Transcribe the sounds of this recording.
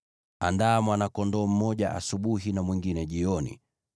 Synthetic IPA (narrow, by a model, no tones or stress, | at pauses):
andaːmwanakɔndɔːm̩mɔʄaʔasuɓuɦinamwiŋɡinɛʄiɔnḭ